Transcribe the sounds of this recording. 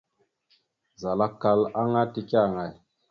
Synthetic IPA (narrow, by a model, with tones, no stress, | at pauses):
za˨la˦kːa˨la˦ŋa˦ti˨ki˦a˦˨ŋa˨j